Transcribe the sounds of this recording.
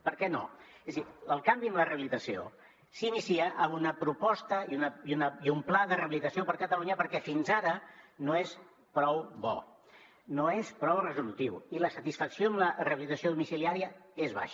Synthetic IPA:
pəɾkɛno̰zðiəlˠkambiəmlərəβilit̪əsio̰ | sinisiəʔəmunəpɾupɔst̪əiunəiunəiumplaðərəβilit̪əsiopəɾkət̪əluɲəpəɾkɛfinzaɾənoes | pɾɔwβɔ̰ | noespɾɔwrəzulut̪iwiləsət̪isfəksioəmlərəβilit̪əsioðumisiliaɾiəezβa̰ʃ

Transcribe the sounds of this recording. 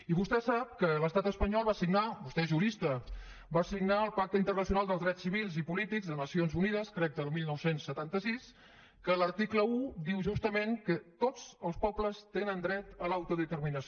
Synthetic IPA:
iβust̪ɛsap̚kələst̪at̪əspəɲɔlˠβasiɡnabust̪ɛʒuɾist̪ə | basiɡnaəlˠpak̚t̪əint̪ərnəsiunalˠd̪əlˠzðɾɛsːiβilˠzipulit̪iɡzðənəsionzuniðəskɾɛk̚d̪əəmilˠnɔwsensːət̪ant̪əsis | kələɾt̪ikləud̪iwʒust̪əmeŋkət̪od͡zəlˠspɔbləst̪enənd̪ɾɛt̪əlawt̪uðət̪ərminəs

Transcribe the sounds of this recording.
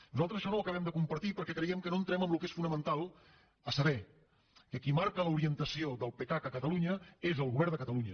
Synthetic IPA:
nuzalˠt̪ɾəzəʃɔnowəkəβ̞ɛmd̪əkumpəɾt̪ipəɾkɛkɾəiɛmkənoənt̪ɾɛməmlukesfunəmənt̪alˠ | əsəβɛ | kəkimaɾkələuɾiənt̪əsioðəlˠpekakəkət̪əluɲəezəlˠɣuβɛɾnd̪əkət̪əluɲə

